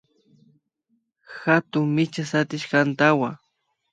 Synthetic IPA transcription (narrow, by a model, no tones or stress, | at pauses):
xat̪ʊŋmɪt͡ʃasat̪ɪʃkant̪awa